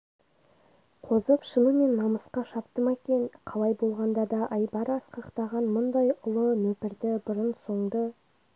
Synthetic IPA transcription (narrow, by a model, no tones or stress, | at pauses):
qʰo̞zəpʃənəme̞nːɑməsqɑʃɑp̚t̪əmekʲe̞nqʰɑlˠɑjbo̞lˠʁɑnd̪ɑd̪ɑʔɑjbɑɾɑsqɑqt̪ɑʁɑnmʊnd̪ɑjʊlˠəmepɪɾd̪ɪbʊɾənso̞ɴd̪ə